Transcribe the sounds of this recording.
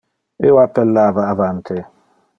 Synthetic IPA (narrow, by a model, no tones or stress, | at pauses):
ewapɛlːavaːvan̩tʰe